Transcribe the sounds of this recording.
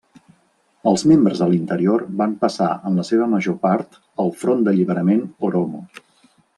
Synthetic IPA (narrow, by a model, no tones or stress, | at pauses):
əlˠzmembɾəzðəlint̪əɾioɾbampəsa̰ənləseβ̞əməʒopaɾt̪ | əlˠfɾond̪əʎiβəɾəmenoɾomu